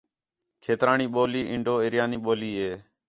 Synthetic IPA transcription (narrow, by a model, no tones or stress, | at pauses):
kʰeːt̪ɾaːɳiːɓoːliːʔɪɳɖoːɪɾjaːniːɓoːliːɦeː